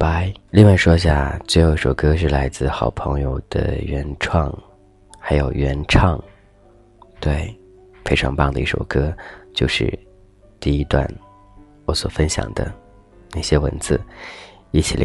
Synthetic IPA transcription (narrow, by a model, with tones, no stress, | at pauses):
pa˥ɪli˥˧ŋwa˥˧ɪʂwɔ˥ɕ̬ja̰˥˩t͡swe˥˧ɪjo˧˩ʊi˥˩o˨˩kɤ˥ʂ̬ɻ̩˥˩la˧˥ɪt͡sɹ̩˥˧˩xɑ˨˩ʊpʰɤ˧˥ŋjo˥˧ʊd̪̥ə̰˧˩ɥɛ˧˥nʈ͡ʂʰwɑ˥˩ŋ | xa˧˥ɪjo˨˩ʊɥɛ˧˥nʈ͡ʂʰɑ˥˧ŋ | t̪we˥˩ɪ | fe˥ɪʈ͡ʂʰɑ˧˥ŋpɑ˥˩ŋd̪ə˨˩i˥˩o̰˨˩ʊkɤ˥t͡ɕjo˥˧ʊʂɻ̩̰˥˩ | t̪i˥˩i˧˥t̪wa̰˥˩n | wɔ˧˥swɔ˨˩fə˥nɕjɑ̰˨˩ŋd̪ə̰˦ | na˥˩ɕjɛ˥wə̰˧˥nt͡sɹ̩˥˩ | i˥˩t͡ɕʰi˨˩l